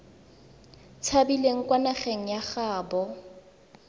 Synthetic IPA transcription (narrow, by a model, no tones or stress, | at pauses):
t͡sʰabileŋ̩kʼwanaχeŋ̩jaχaːbɔ